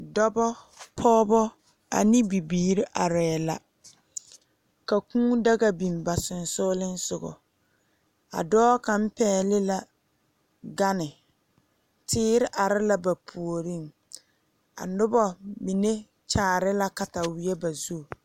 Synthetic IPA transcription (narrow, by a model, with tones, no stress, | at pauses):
dɔ˦bɔ˦ | pʰɔː˦bɔ˦ | a̰˨ni˦bi˨biː˨ɾɪ˦ʔa˨ɾɛː˨la̰˨ | ka˨kũː˦da˦ɣa˦bi˨mba˨sʊ˨nsʊ˦lɪ˦n̩˦sʊ˨ɡɔ̰˨ | a̰˨dɔː˦ka˨m̩˦pɛː˦lɪ˦la˨ | ɡa˦nɪ˨ | tʰɪː˦ɾɪ˦ʔa˨ɾɪ˦la˦ba˨pʰu˨o˨ɾi˦˨ŋ | a̰˨nʊ˦bɔ˦mi˨ne˦ | t͡ʃaː˦˨ɾɪ˦la˦ka˨ta˨wi˨e˦ba˨zu˦˨